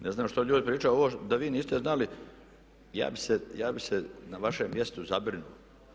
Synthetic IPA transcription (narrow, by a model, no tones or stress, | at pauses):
neznaːmʃt̪oʎuːd̪ipɾiːt͡ʃajoʋoːd̪aʋiːniːst̪eznali | ja̰ːbisejaːbisenaʋaʃemːje̞st̪uzabɾinuo